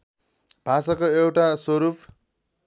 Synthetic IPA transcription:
bʱasakoewʈasoɾupʰ

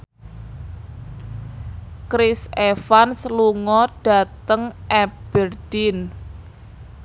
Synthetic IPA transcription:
kɾisefansluŋɔɖ̥a̤t̪əŋʔɛb̥ərd̥in

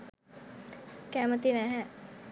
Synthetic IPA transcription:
kɛːmət̪inɛ̃ɦɛ

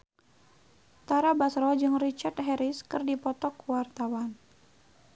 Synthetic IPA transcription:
t̪aɾabasɾɔd͡ʒɨŋrit͡ʃart̪ɦɛɾiskɨrdipɔt̪ɔkwart̪awan

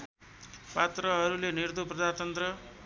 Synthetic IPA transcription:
pat̪rʌɦʌɾulenird̪uprʌd̪at̪ʌnt̪rʌ

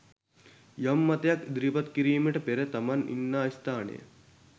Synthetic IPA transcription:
jɐmːɐt̪ɐjɐkd̪ɾipɐt̪kiɾiːmiʈpeɾet̪ɐmanḭnːaːist̪aːnḛ

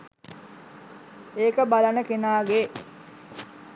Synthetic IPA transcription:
eːkəbalənəkenaːɡe

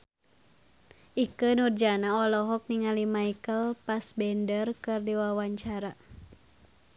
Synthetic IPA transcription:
ʔikənurd͡ʒanaɔlɔɦɔk̚niŋalimaikəlpasbɛndərkɨrdiwawaɲt͡ʃaɾa

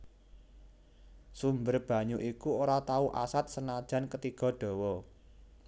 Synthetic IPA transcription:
sumbərb̥ä̤ɲuʔikuoɾat̪auʔa̰sat̪̚sənad̥ʒ̥a̤nkət̪ikɔ̤ɖ̥ɔ̤wɔ

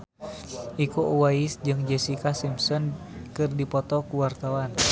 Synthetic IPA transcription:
ikoʔuwaisd͡ʒɨŋd͡ʒɛsikasimsɔn | kɨrdipɔt̪ɔkuwart̪awan

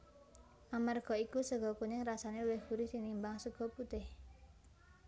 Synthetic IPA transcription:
ʔamarɡ̥ɔ̤ikusəɡɔkunɪŋrasanewɪhɡ̥uɾɪhd̪̥inimbaŋsəɡ̥ɔ̤put̪ɪh

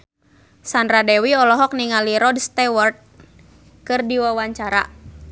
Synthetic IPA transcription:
sandɾadɛwiɔlɔɦɔk̚niŋaliɾɔdst̪ɛwɔrt̪̚ | kɨrdiwawaɲt͡ʃaɾa̰

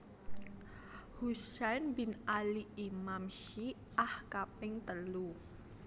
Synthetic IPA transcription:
husɛjnbɪnaliːmamʃi | ʔahkapɪŋt̪əlu

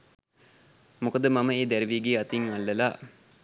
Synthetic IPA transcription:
mukəd̪əmɐməeːd̪æɾʋiːɡeːɐt̪iŋalːəla̰ː

